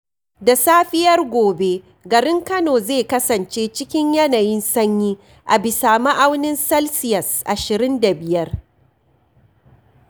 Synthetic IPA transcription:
da˨saː˦ɸɪ˦jɐ˦rɡʷoː˨be˦ | ɡɐ˨ɾɪ˦ŋkɐ˦noː˨zeː˦˨kɐ˦sɐ˨nt͡ʃeː˦t͡ʃɪ˦kʲɪ˦ɲjɐ˦naː˨jɪ˦nsɐ˦ɲjiː˦ | ʔa̰˨bɪ˨saː˨ma˦ʔa˦wnɪ˦nsɐ˦lsɪ˦jɐ˨sʔa˨ʃɪ˨ɾɪ˦nda˨bɪ˨jɐ˦r

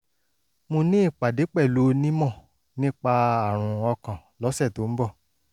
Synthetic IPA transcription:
mõ˧nĩ˦i˦˨k͡pa˨de˨˦k͡pɛ˦˨lo˨˦nĩ˦mɔ̃˦˨ | nĩ˦k͡pa˧a˦˨ɾ̃ũ˨˧ɔ˧kã˨lɔ˨˦sɛ˦˨to˨˦m̩˦bɔ˦˨

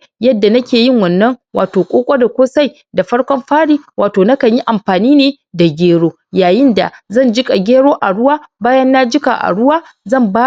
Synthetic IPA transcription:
jɐ˦dːa˨nɐ˦kʲeː˨jɪ˦˨ŋwɐ˨nːɐ˦ŋwa̰ː˨toː˨kʷʼoː˦kʷʼo˦da˨kʷoː˦sa˦˨j | da˨ɸɐ˦ɽkʷɔ˦mɸaː˦ɽiː˦wʔaː˨toː˨na˦kɐ˨ɲji˦ʔa˨mɸaː˨niː˦neː˨ | da˨ɡʲeː˦ɽoː˦ | jaː˨jɪ˦nda̰˨zɐ˦˨nd͡ʒɪ˦kʼa˨ɡʲeː˦ɽoː˦ʔa˨ɽʊ˦waː˦baː˦jɐ˦nːa˦d͡ʒɪ˦ka̰˨ʔa̰˨ɽʊ˦waː˦ | zɐ˦˨mbaː˦

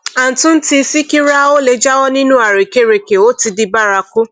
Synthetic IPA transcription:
a˨n̩˨tũ˦n̩˦ti˧si˦ki˦ɾa˦o˦le˧d͡ʒa˦wɔ˦nĩ˦nũ˦a˨ɾe˨ke˦ɾe˨ke˨o˦ti˧di˧ba˦ɾa˧ku˦

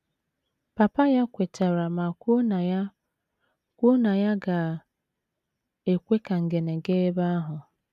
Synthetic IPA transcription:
pa˨pa˦ja˦kʷe˨ta˨ɾa˨ma˨k | kʷo˦na˨ja˦ɡa˨ | e˨kʷe˦ka˨ŋ̩˨ɡe˨ne˨ɡe˦e˦ba˦a˦ɦʊ˨

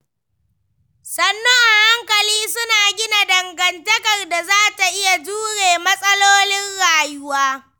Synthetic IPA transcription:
sɐ˨nːɔ˦ŋʔa˨ha˦ŋkɐ˨liː˦sʊ˦naː˨ɡʲɪ˦na˨dɐ˨ŋɡɐ˨ntɐ˦kɐ˨rda˨zaː˦ta˨ʔɪ˦ja˨d͡ʒuː˦ɽeː˨mɐ˦sʼɐ˦loː˦nɪ˦nɽaː˨jʊ˦waː˦

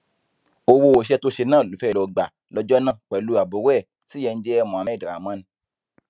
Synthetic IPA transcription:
o˧wo˧o˨ʃ̬ɛ˧to˦ʃe˧nãː˦˨lu˨˦fɛ˦˨lɔ˧ɡ͡ba˨ | lɔ˧˦d͡ʒɔ˦nã˦˨k͡pɛ˨lu˦a˨bo˨˦wɛ˦˨ | ti˨˦jɛ˧n̩˦d͡ʒɛ˦ɛ˦˧mɔ̃˨a˨mɛ̃˦˨dɾa̰˨mã˦ñ˧˦

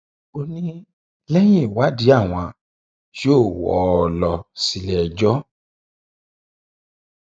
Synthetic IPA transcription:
o˧nĩ˦ | lɛ˦j̃ĩ˦˨wa˦di˨˦a˦˨w̃ã˧ | ʃoː˦˨wɔ̰˨˦˧lɔ˧si˨˧lɛ˨d͡ʒɔ˦

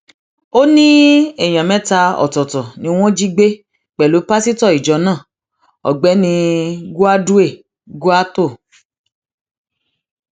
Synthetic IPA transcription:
o˦nĩ˦ɛ˦˨j̃ã˨mɛ̃˦ta˧ɔ̰˨tɔ˨tɔ˨nĩ˧˦w̃ɔ̃˦d͡ʒi˦ɡ͡be˦ | k͡pɛ˨lo˨˦pa˦si˦tɔ˦˨i˨d͡ʒɔ˨˦nãː˦˨ | ɔ̰˨ɡ͡bɛ˨˦nĩ˧ɡu˦a˦du˦e˦˨ | ɡu˦a˦to˦˨

